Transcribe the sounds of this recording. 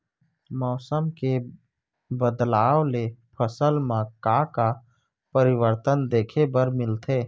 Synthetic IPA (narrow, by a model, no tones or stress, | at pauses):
mɔːsəmke | bəd̪laːwlepʰəsəlmãkaka | pəɾɪwəɾt̪ənd̪eːkʰebəɾmɪlt̪ʰeː